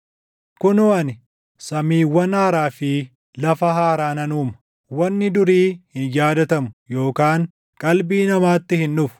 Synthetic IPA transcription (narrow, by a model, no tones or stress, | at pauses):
kʊnʊːɐnɪ | sɐmiːwːɐnaːɾaːfɪ | lɐfɐɦaːɾaːnɐnuːmɐ | wɐnːɪd̪ʊɾiːhɪnjaːd̪ɐt̪ɐmʊjo̞ːkaːŋ | kʼɐlbiːnɐmaːt̪ːɪhɪnːʊfʊ̥